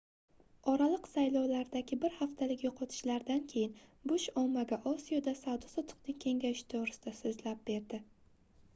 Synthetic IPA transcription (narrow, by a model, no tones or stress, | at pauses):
ɒɾalˠɨqsajlˠɒwlaɾd̪aɡʲɪbɪɾhaft̪ʰalɪkʲjoqʰɒt̪ʰɪ̥ʃlaɾd̪ankʲʰe̞jɪnbʊʃɒmːaɡʲaʔɒsijod̪asawd̪ɒsɒt̪ʰʊ̥qnɪŋkʲʰe̞ŋɡʲajɪʃt̪ʰoʁɾɪsɪd̪asɪzlap̚be̞ɾd̪ɪ